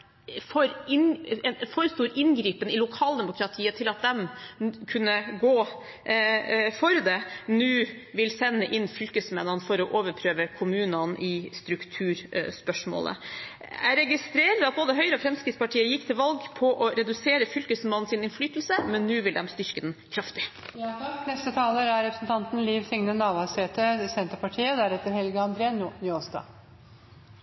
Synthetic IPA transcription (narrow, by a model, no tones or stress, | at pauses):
fɔɾɪnɛnfɔɾst̪uːɾɪnɡɾiːpənɪlʊkʰɑːld̪ɛmʊkʰɾɑt̪ʰiːət̪ʰɪlɑt̪̚d̪ɛmkʰʉnːəɡoː | fɔɾd̪ɛnʉːʋɪlsɛnːəʔɪnːfʏlkəsmɛnːənfɔɾɔʔoːʋəɾpʰɾøːʋəkʰʊmʉːnɑnʔɪst̪ɾʉkt̪ʰʉːɾspœʂmo̰ːlə̰ | æɾɛɡɪst̪ɾeːɾəɾɑt̪̚boːd̪əɦœʏɾəɔfɾɛmskɾɪt̪spɑʈʰiːəjɪkːt̪ʰɪlʋɑlɡpʰɔʔɔɾɛd̪ʉseːɾəfʏlkəsmɑnːn̩sɪnɪnflyːt̪l̩səmɛnːʉːʋɪld̪ɛ̰mst̪ʏɾkəd̪nkʰɾɑft̪ɪ | nɛst̪ət̪ʰɑːləɾæɾɾɛpɾəsnt̪ʰɑnt̪n̩liːʋsɪŋnənɑːʋɑseːt̪ʰəsɛnt̪əɾpɑʈʰiːəd̪æɾɛt̪ːəɾhɛlɡəɑnd̪ɾeːnnoːsd̪ɑ̰ː